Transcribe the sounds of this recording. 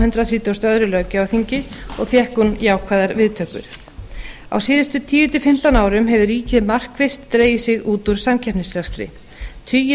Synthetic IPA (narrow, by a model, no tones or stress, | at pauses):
hʏnt̪ɾaθɾiːt̪owst̪œðɾʏlœːɣcɪawθiɲcɪɔɣfjɛhkunjaːwkʰvaːðaɾvɪðt̪ʰœːkʏ̰ɾ̥ | a̰wsiːðɪst̪ʏt̪ʰiːjʏt̪ɪfɪm̥t̪anaːwɾʏmɦɛvʏɾiːcɪðmar̥kvɪst̪ːɾeːjɪsɪɣuːt̪uɾ̥samcʰɛhpnɪslaxst̪ɾɪ̰ | t̪ʰyːjɪ